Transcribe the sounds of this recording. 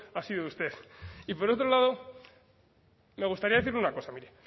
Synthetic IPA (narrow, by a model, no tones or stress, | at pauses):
asiðoust̪e̞θipo̞ɾo̞t̪ɾo̞lað̞o̞ | me̞ɣ̞ust̪aɾiaðe̞θiɾleunako̞samiɾe